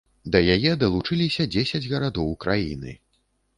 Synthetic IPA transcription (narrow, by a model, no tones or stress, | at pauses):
d̪ɐjajɛd̪ɐlˠut͡ʂɨlʲisʲɐd͡zʲesʲɐd͡zʲɣɐɾad̪ɔwkɾajḭnɨ̰